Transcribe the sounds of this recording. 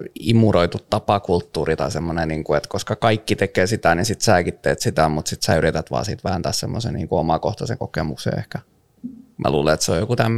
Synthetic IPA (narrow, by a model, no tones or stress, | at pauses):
imːuroit̪utt̪ːɑpɑkult̪ːuːrit̪ɑisemːoneniːŋkuet̪koskɑkɑikːit̪ekeːsit̪ænisit̪sæːkit̪ːḛːt̪sit̪æmut̪sit̪sæːyrit̪æt̪ʋɑ̰ːsḭːt̪ʋæhænt̪æːssemːosḛniːŋkuomɑkoht̪ɑsḛŋkokemuksḛḛhkæ | mʔæ̰luːleet̪seo̰jokut̪æmː